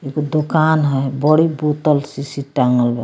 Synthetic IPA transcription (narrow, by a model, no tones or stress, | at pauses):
iɡod̪okanɦɔjbɔɽibot̪əlsisiʈaŋɡəlbɛ